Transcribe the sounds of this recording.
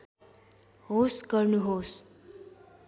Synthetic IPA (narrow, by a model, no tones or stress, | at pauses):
ɦosɡʌrnuɦos